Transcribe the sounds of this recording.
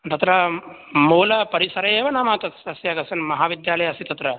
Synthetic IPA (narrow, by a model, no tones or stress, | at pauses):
t̪ɐt̪ɾɐ | moːlɐpɐɾisɐɾeːʋɐnaːmat̪ɐsɐsjaɡɐsɐnmɐɦaːʋid̪jaːlɐjɐsit̪ɐt̪ɾɐ